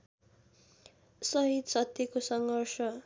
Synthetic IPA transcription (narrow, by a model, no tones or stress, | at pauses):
sʌɦid̪sʌt̪ːʌkosʌŋɡʱʌrsʌ